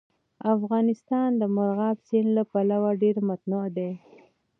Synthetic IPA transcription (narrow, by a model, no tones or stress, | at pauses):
afɣɑnɪst̪ɑnd̪əmaɾɣɑbsinlapalawaɖeɾmat̪nud̪e